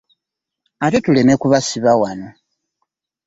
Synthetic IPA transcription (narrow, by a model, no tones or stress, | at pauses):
ate̞tule̞me̞kuβasiβawano̞